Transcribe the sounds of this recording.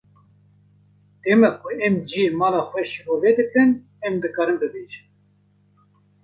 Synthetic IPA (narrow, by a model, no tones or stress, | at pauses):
t̪emɛkʷʰʊɛmd͡ʒiemɑːlɑːxʷwɛʃivoːved̪ɨkɨn | ɛmd̪ɨkɑːɾɨmbɨbeːʒɨn